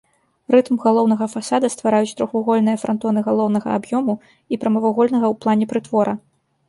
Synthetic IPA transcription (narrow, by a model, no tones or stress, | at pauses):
rɨt̪mɣalˠɔwnɐɣɐfasad̪ɐst̪vaɾajut͡sʲt̪ɾɔxvuɣɔlʲnɨjɐfɾɐnt̪ɔnɨɣalˠɔwnɐɣɐ̰abjɔmu | ipɾɐmɐvaɣɔlʲnɐɣɐwplˠanʲɛpɾɨt̪vɔɾʔɐ